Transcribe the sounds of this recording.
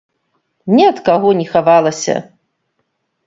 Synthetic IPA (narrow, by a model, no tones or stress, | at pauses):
nʲɛɐt̪kaɣɔnʲɛxavalˠɐsʲɐ̰